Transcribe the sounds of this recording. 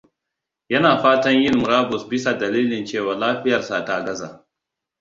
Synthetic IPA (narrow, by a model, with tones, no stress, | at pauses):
jɐ˦naː˨ɸaː˦tɐ˦ɲjɪ˦nmʊ˨ɾaː˦bʊ˨sbɪ˦sa˨dɐ˨liː˦lɪ˨nt͡ʃeː˦˨waː˨laː˦ɸɪ˦jɐ˨rsa˨ta˦˨ɡɐ˦za̰ː˨